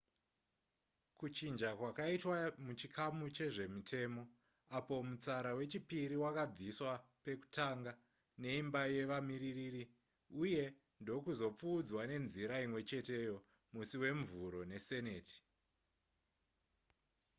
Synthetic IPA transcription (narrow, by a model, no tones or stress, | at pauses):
kut͡ʃind͡ʒakwakaitwamut͡ʃikʰamut͡ʃe̞ʐe̞mitʰe̞ːmo̞ | apo̞mut͡saɾawe̞t͡ʃipiɾiwakab͡viswape̞ku̥tʰaŋɡa | ne̞imbaje̞ʋamiririri | uje̞ | ndo̞kuzo̞p͡fuːd͡zwane̞nziɾaimwe̞t͡ʃe̞te̞jo̞ | musiwe̞ɱvuɾo̞ne̞se̞ne̞ːti̥